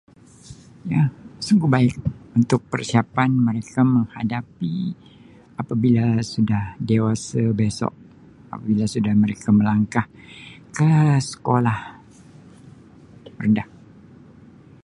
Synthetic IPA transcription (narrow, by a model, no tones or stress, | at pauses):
jasuŋɡubaɪk̚unt̪ʊk̚pərsiapanməɾekaməŋhadapi | apabilasudahdewasabesɔ̰ʔ̚ | a̰pabilasudahməɾekaməlaŋkahkəsə̥kolah | rəndah